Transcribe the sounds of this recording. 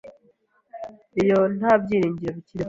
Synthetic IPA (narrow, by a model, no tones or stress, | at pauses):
ijon̥aːbɟiːɾiːɲɟiɾeβiciɾi